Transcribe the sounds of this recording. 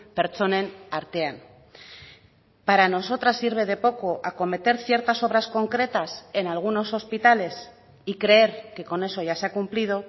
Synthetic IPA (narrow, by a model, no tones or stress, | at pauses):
pe̞ɾt͡so̞ne̞naɾt̪e̞an | paɾano̞so̞t̪ɾasːiɾβ̞e̞ð̞e̞po̞ko̞ʔako̞me̞t̪e̞ɾθje̞ɾt̪aso̞β̞ɾasko̞ŋkɾe̞t̪ase̞nalɣ̞uno̞so̞spit̪ale̞s | ikɾe̞eɾke̞ko̞ne̞so̞ʝaseakumplið̞o̞